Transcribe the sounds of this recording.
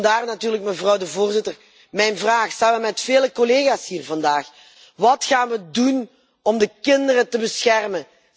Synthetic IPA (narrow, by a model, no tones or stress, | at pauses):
daːrnatyːrlək̚məvrɑwdəvoːrzɪtər | mɛjnvraːxsaːnʋəmɛtfeːləkɔleːɣaːshiːrvɑndaːx | ʋɑtxaːnʋədun | ɔmdəkɪndərətəbəsxɛrmən